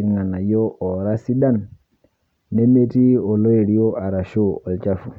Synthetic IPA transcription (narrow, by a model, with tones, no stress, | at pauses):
ɾŋa˨na˨jo˦ʔɔ˨ɾa˦si˦da˦˨n | e˦me˦ti˦ɔ˨lo˦e˨ɾi˦jo˦a˨ɾa˨ʃo˦ɔ˨lt͡ʃa˦fu˨